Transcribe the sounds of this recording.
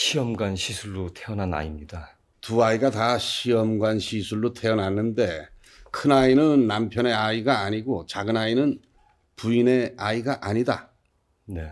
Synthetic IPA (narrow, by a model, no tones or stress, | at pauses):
ɕʰiʌmɡwanɕʰisʰuɭːotʰeʌnɦana̰imɲida | tuaiɡataɕʰiʌmɡwanɕʰisʰuɭːotʰe̞ʌnɦanːɯnde̞ | kʰɯnainɯnːampʰjʌne̞aiɡaːɲiɡot͡ɕaɡɯnainɯn | puine̞aiɡaʔaɲida | ne̞